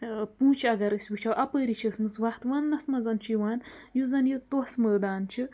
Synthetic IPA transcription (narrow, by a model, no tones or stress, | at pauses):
pũːt͡ʃʰɐɡɐɾɨsʲʋɨt͡ʃʰawʔɐpəɾit͡ʃʰismɨsʋɐht̪ʋɐnːɐsmɐzɐnt͡ʃʰiʋaːnjuzɐnjit̪osməːd̪aːnt͡ʃʰi